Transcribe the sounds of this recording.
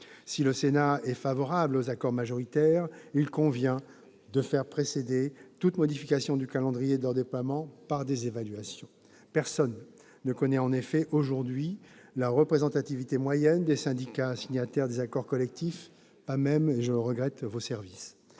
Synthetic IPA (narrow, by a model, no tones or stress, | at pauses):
siləsenaɛfavɔʁablozakɔʁmaʒɔʁit̪ɛʁilkɔ̃vjɛ̃ | d̪əfɛʁpχesed̪et̪ut̪mɔd̪ifikasjɔ̃d̪ykalɑ̃d̪ʁijed̪əlœʁd̪eplwamɑ̃paʁd̪ezevalɥasjɔ̃ | pɛʁsɔnː | əkɔnɛɑ̃nefɛʔoʒuʁd̪ɥilaʁəpχezɑ̃t̪at̪ivit̪emwajɛnd̪esɛ̃d̪ikʲasiɲat̪ɛʁd̪ezakɔʁkɔlɛk̚t̪if | pamɛmeʒəʁəɡʁɛt̪vosɛʁvis